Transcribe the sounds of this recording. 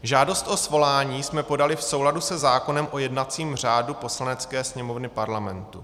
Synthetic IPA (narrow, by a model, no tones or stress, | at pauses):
ʒaːdo̞st̪ʔo̞svo̞laːɲiːsmɛpo̞dalɪfso̞wladusɛzaːko̞nɛmʔo̞jɛdnat͡siːmr̝aːdupo̞slanɛt͡skɛːsɲɛmo̞vnɪpaɾlamɛnt̪u